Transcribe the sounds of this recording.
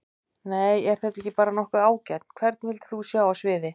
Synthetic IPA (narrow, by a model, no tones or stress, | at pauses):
neːjɛɾ̥θɛt̪aɛhcɪpaːɾanɔhkaaːwcajt̪̚n̥kʰvɛɾt̪nvɪlt̪θusjaːwawsvɪːðɪ